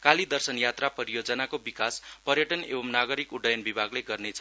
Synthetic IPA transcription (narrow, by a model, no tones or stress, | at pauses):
kalid̪ʌrsʌnjat̪rapʌɾijod͡zʌnakobikaspʌrjʌʈʌnḛbʌmnaɡʌɾikuɖʌjʌnbibʱaɡleɡʌrnet͡sʰʌ